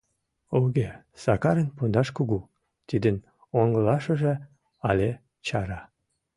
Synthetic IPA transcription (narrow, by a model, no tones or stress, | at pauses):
oɣe | sɑkɑɾənpund̪ɑʃkuɣu | t̪id̪ən | oŋɡəlɑʃəʒe | ɑlʲe | t͡ɕɑɾɑ